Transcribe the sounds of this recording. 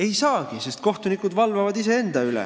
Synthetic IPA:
e̞jsɑːɡ̥ise̞st̪̚ko̞ht̪unikːˑud̪vɑlvɑvɑd̪ise̞e̞nd̪̥ɑylɛ̰

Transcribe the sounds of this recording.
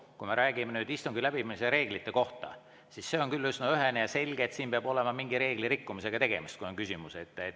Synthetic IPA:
kume̞ɾʔæːɡ̥imenyːd̪ist̪uŋɡilæb̥iminis̬eɾe̞ːɡ̥lit̪ˑːe̞ko̞ht̪ɑ̰ | sisːe̞o̞ŋkylːysnoyɦenejɑse̞lʲɡ̥eːt̪siːnmpeɑbo̞le̞mɑmiŋɡiɾe̞ːɡ̥liɾikːumise̞ɡ̥ɑt̪e̞ɡ̥e̞̰mist̪̚kujoŋkysʲimuse̞t̪ːˑe

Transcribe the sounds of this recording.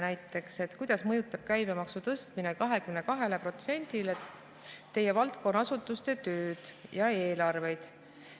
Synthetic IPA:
næjt̪ːˑe̞kse̞t̪kujd̪̥ɑsmɤjut̪ːˑɑb̥̚kæjbe̞mɑksut̪ɤst̪minekɑɦe̞kymne̞kɑɦe̞le̞pro̞t̪se̞nʲd̪̥ile | t̪ːe̞jːe̞vɑlt̪̚ko̞nːɑsut̪ːˑust̪e̞t̪øːd̪̥jɑe̞ːlɑrve̞jd̪̥

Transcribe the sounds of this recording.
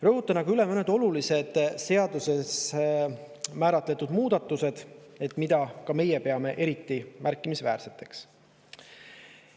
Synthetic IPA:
rɤɦut̪ːˑɑnɑɡɑyle̞mɤned̪̥o̞lulise̞d̪̥se̞ɑd̪use̞s | mæːɾɑt̪ˑle̞t̪ːˑud̪̥muːd̪̥ɑt̪ːˑuse̞d̪̥e̞t̪ːˑmid̪̥ɑkɑme̞jepe̞ɑme̞ʔe̞ɾit̪ːimæɾkːˑimisvæ̰ːɾse̞t̪ːˑe̞̥ks

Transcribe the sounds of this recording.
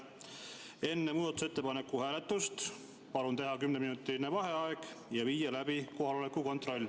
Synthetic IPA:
e̞nːe̞muːd̪ɑt̪u̥se̞t̪ːˑe̞pɑne̞kːˑuhæːlet̪ːˑust̪ | pɑlunt̪e̞ɦɑkymneminut̪ːinevɑɦe̞ɑe̞ɡ̥jɑviːjɑlæbiko̞ɦɑlo̞lekːˑuko̞nt̪ro̞lʲː

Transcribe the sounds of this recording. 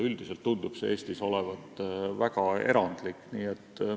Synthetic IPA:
yld̪ise̞lt̪ːund̪̥ub̥see̞ːsʲt̪iso̞le̞vɑt̪ːˑvæɡɑe̞ɾɑnd̪̥likːniːe̞t̪ːˑ

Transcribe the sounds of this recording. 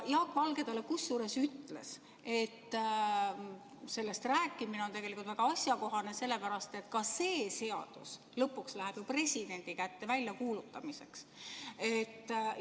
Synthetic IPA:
jɑːkːˑvɑlɡe̞d̪ɑle̞kusːuːɾe̞syt̪le̞̰s | e̞t̪ː | se̞lːest̪ræːkːˑimineo̞nt̪e̞ɡelikult̪væɡ̥ɑɑsʲjɑko̞ɦɑne̞se̞lːe̞pæɾɑst̪e̞t̪kɑse̞ːse̞ɑ̰d̪̥us | lɤpːˑukslæɦeb̥jopre̞sʲid̪̥e̞nʲd̪̥ikæt̪ːe̞vælʲjɑkuːlut̪ːˑɑmise̞kset̪ː

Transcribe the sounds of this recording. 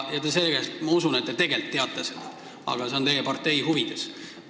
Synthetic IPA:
jɑt̪ːeselːɡest̪mɑusunet̪̚ːe̞t̪e̞ɡe̞lt̪ːeɑt̪ːˑesed̪ɑ̥ | ɑ̰ɡ̥ɑse̞o̞nt̪e̞jepɑrt̪ːe̞jhuvid̪̥e̞s

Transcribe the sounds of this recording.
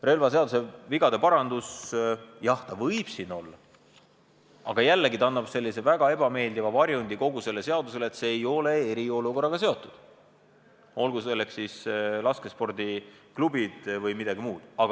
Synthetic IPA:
re̞lvɑs̬e̞ɑd̪use̞viɡɑd̪̥e̞pɑɾɑnd̪̥us | jɑht̪ɑvɤjb̥sino̞lːɑ | ɑɡ̥ɑjælːeɡit̪ɑnːɑb̥se̞lːise̞væɡ̥ɑe̞b̥ɑme̞ːld̪ivɑvɑɾjunʲd̪iko̞ɡuse̞lːese̞ɑd̪use̞let̪seːjo̞le̞eɾio̞luko̞rːɑɡ̥ɑs̬e̞o̞t̪ːˑud̪̥ | o̞lɡuse̞lːekssislɑske̞spo̞rd̪i | klubid̪̥vɤjmid̪̥ɑɡ̥imuːd̪̥ɑɡ̥ɑ

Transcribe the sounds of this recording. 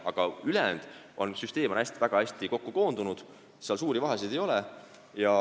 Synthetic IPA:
ɑɡ̥ɑylɛnd̪̥ʔo̞̰nsyst̪e̞ːmonæst̪ivæɡ̥ɑæsʲt̪iko̞kːuko̞ːnd̪unud̪̥ | seɑlsuːɾivɑɦesid̪̥e̞jo̞lɛ | jɑ

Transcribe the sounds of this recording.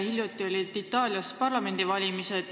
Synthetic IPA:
hilʲjut̪ːˑio̞lʲid̪̥it̪ːˑɑːlʲjɑspɑrlɑme̞nd̪̥ivɑlʲimised̪̥

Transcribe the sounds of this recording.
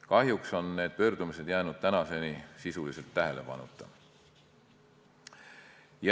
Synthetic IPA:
kɑɦjukso̞nːe̞ːd̪̥̚pø̞ːrd̪umise̞d̪jæːnud̪̥t̪ænɑse̞nisisulise̞lt̪ːæɦe̞lʔe̞̰pɑ̰nṵt̪ːˑɑ̰ | j

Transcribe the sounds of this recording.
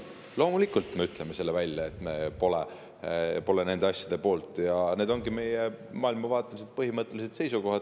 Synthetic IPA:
lo̞ːmulikˑult̪ˑme̞yt̪ˑle̞mese̞lːevælʲjɑe̞t̪ːˑmepo̞le | po̞lene̞nd̪̥eɑsʲjɑd̪̥e̞po̞ːlt̪ˑjɑne̞ːd̪o̞ŋɡime̞jemɑːilmɑvɑːt̪ːˑelis̬ed̪̥̚pɤɦimɤt̪ˑːe̞lis̬e̞d̪̥se̞jsuko̞ɦɑd̪̥

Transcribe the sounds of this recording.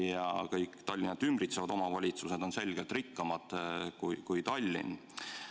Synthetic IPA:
jɑkɤjkːˑt̪ɑlʲːinɑd̪̥ymbrit̪sevɑd̪̥o̞mɑvɑlʲit̪suse̞d̪̥o̞nse̞lʲɡ̥elt̪rikːɑmɑd̪̥kujkujt̪ɑlʲːḭn

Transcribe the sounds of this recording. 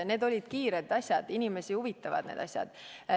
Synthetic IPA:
ne̞ːd̪o̞lʲid̪̥kiːɾed̪ɑsʲjɑd̪̥inime̞sihuvit̪ːˑɑvɑ̰d̪nḛːd̪̥ɑsʲjɑ̰d̪̥

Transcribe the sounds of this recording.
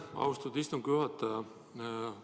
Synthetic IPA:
ɑ̰wst̪ud̪̥ist̪umkyɦɑt̪ːɑɑ

